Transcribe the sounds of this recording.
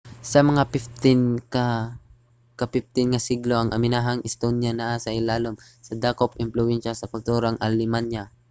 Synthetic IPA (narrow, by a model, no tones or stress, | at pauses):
sɐmɐŋapɪft̪ɪnkɐ | kɐpɪf̚t̪ɪnŋɐsiɡloʔɐŋʔɐmɪnaːɦɐŋʔɪst̪onjanaʔasɐʔɪlaːlomsɐd̪aːkopʔɪmplʊwɛnʃɐsɐkʊlt̪uːɾɐŋʔɐlɪmanja